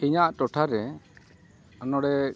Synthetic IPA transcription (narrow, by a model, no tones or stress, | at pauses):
iɲaʔtɔʈʰaɾɛ | ɔnɔɽɛ